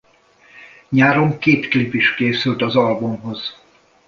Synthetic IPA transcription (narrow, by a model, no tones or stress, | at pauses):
ɲaːɾo̞ŋkeːt̪klipiʃkeːsylt̪ɒzɒlbomɦo̞z̥